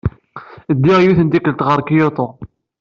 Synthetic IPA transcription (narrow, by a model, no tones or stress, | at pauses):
d̪ːiʁjuθənt̪ikəlt̪ʁəɾˤkijot̪ˤo